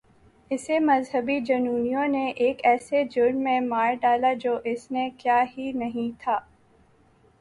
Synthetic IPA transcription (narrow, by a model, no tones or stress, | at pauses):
ɪsemɐzɦəbid͡ʒɐnuːnijõneʔeːkɛːsed͡ʒʊɾɳmẽmaːɾɖaːlad͡ʒoːʔɪsnekjaːɦinɐɦĩt̪ʰaː